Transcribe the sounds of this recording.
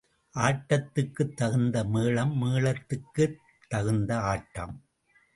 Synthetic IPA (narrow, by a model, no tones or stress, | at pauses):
ʔaːʈːɐt̪ːɯkːɯt̪ːɐɣɯnd̪ɐmeːɭɐmːeːɭɐt̪ːɯkːɯ | t̪ːɐɣɯnd̪ɐaːʈːɐ̰m